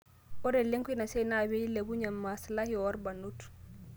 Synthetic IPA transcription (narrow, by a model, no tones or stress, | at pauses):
ʔɔɾɛleŋkuinasɛnabeilebuɲamːaslahiɔwaɾbanːutu̥